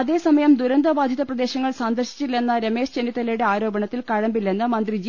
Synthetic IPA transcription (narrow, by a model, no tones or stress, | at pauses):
ɐðe̞ːsɐmɐjɐmd̪uɾɐnd̪ɐbaːd̪ʱjɐðɐprɐd̪e̞ːɕɐŋːɐɭsand̪ɐrɕi̥t͡ɕːilːe̞nːɐɾeme̞ːʂt͡ɕenːit̪ːɐlejɽe̞aːɾo̞ːbɐɳɐt̪ːilkɐɻɐmbilːenːɨmɐnd̪rid͡ʑ